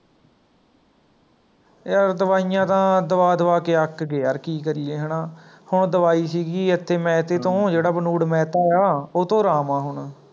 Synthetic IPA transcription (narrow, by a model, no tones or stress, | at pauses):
jəɾd̪əʋaːijãːt̪ãːd̪əʋaːd̪əʋaːkeːəkɡɛːəɾkiːkəɾieːɦəɳãː | hʊɳd̪əʋaːiːsiːɡiːət̪ʰːeːmɛ̃ːt̪eːt̪õːd͡ʒeːɽaːbənuːɽmɛ̃ːt̪aːeaːoːt̪õːɾaːmãːɦʊɳ